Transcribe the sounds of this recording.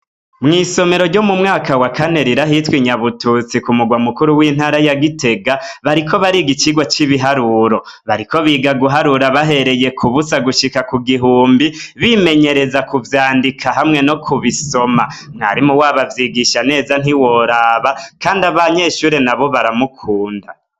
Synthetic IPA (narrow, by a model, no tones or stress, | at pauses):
mŋiːso̞me̞ɾo̞ɾɟo̞mumŋaːkawakane̞ɾiɾaɦitwiɲaβutut͡sikumuɡwamukuɾuwiːn̥haːɾajaɡite̞ɡaβaɾiko̞βaɾiɡit͡ʃiɡwat͡ʃiβiɦaɾuɾo̞ | βaɾiko̞βiɡaɡuɦaɾuɾaβaɦe̞ɾe̞je̞kʰuβusaɡuʃikakuɡiɦuːmbiβime̞ɲe̞ɾe̞zakuvjaːndikʰaɦamŋe̞no̞kʰuβiso̞mamŋa̰ɾimuwaːβavjiɡiʃane̞ːzan̥iwo̞ɾaːβakaːndaβaɲe̞ːʃuːɾe̞naβo̞βaɾamukʰuːnda